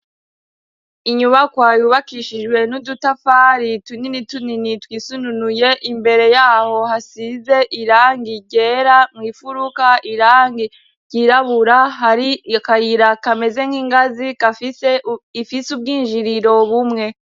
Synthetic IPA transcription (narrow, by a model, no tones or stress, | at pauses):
iɲuβakwajuβakiʃiʒɡwe̞nudutafaɾituninituninitwiːsununuje̞ʔimbe̞ɾe̞jaːho̞hasize̞ʔiɾaːŋɡiɟe̞ɾamwifuɾukaʔiɾaŋɡi | ɟiɾaβuɾaɦaɾikajiɾakame̞ze̞ŋ̥hiːŋɡazika | ifisub̚ɡiːnʒiɾiɾo̞βumŋe̞